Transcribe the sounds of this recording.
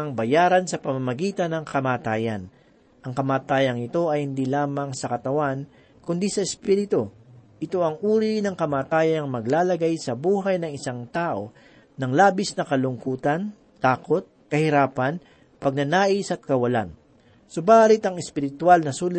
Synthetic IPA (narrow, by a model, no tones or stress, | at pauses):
ɐŋbɐjaːɾɐnsɐpɐmamɐɡiːt̪ɐnɐŋkɐmaːt̪aːjɐn | ʔɐŋkɐmaːt̪aːjɐŋɪt̪o̞ʔɐjhɪnd̪ilaːmɐŋsɐkɐt̪ɐwan | kʊnd̪isɐɛspiɾɪt̪oʔɪt̪o̞ʔɐŋʔuːɾinɐŋkɐmaːt̪aːjɐɐŋmɐɡlaːlɐɡajsɐbuːɦɐjnɐŋɪsaŋt̪aːʔo̞ | nɐŋlaːbɪsnɐkɐlʊŋkuːt̪ɐn | t̪aːko̞t̪̚kɐhɪɾaːpɐn | pɐɡ̚nɐnaːʔisɐt̪̚kɐwɐla̰n | sʊbaːlɪt̪ɐŋɛspɪɾɪt̪ʊalnɐsuːlɪ